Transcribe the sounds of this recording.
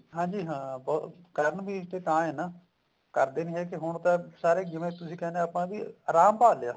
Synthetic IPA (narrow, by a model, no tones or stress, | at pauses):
ɦãːd͡ʒiːɦãːbɔːkəɾəɳbiːt̪eːk̪ãːeːnaː | kəɾd̪eːnĩːɦɛːkɪɦʊɳt̪ãːsaːɾeːɡɪmẽːt̪ʊsĩːkɛːneːaːpãːbḭːaːɾaːmpaːleaː